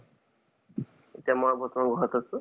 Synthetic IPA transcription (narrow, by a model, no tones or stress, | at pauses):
etiamɔbɔt̪ɔmaɡʱɔɦat̪asu